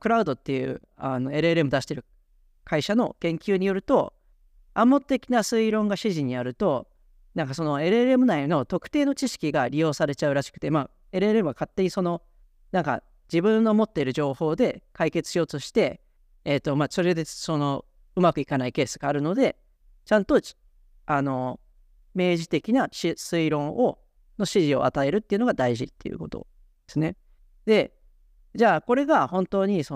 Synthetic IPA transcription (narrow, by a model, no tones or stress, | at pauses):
kɯ̟ɾaɯ̟d̪o̞t̪ːe̞jɯ̟̰ː | ano̞e̞ɾɯ̟eɾemɯ̟d̪aɕi̥t̪e̞ɾɯ̟ | kʰaiɕano̞̰kẽ̞ŋkʲɨːɲ̟ijo̞ɾɯ̟t̪o̞ | amːo̞t̪ːe̞kʲinasɨiɾõ̞ŋɡaɕiʑiɲ̟iaɾɯ̟t̪o̞ | nãŋkaso̞no̞e̞ɾɯeɾɯemɯ̟naino̞t̪o̞kɯ̟̥t̪e̞ːno̞t͡ɕiɕi̥kʲiɡaɾʲijo̞ːsaɾe̞t͡ɕaɯ̟ɾaɕi̥kɯ̥t̪e̞maː | e̞ɾɯ̟eɾemɯ̟ɡakat̪ːe̞ɲ̟iso̞no̞ | nãŋka̰ | d͡ʑibɯ̟̃nːo̞mo̞t̪ːeɾɯ̟ʑo̞ːho̞ːd̪e̞kaike̞t͡sɨ̥ɕijo̞ːt̪o̞ɕi̥t̪e̞ː | t̪ːo̞maːso̞ɾe̞d̪e̞so̞no̞ | ɯ̟makɯ̟ikanaike̞ːsɨɡ̥aːɾɯ̟no̞d̪e̞ | t͡ɕãnt̪o̞ | ano̞ | me̞ːʑit̪e̞kʲinaɕisɨiɾõ̞ɰ̃ʔo̞ | no̞ɕiʑio̞̰ʔa̰t̪ae̞ɾɯ̟t̪ːeiɯ̟no̞ɡad̪aiʑit̪ːe̞̰jɯ̰ko̞t̪o̞̰ | dd̪̥e̞sɨne̞ | d̪̥e̞ | d͡ʑaːko̞ɾe̞ɡahõ̞nt̪o̞ːɲ̟iso